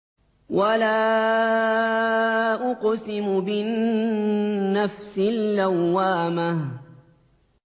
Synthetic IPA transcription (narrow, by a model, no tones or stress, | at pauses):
wʔalaː | ʔʊqsɪmʊbɪnnː | afsɪlːawːaːmah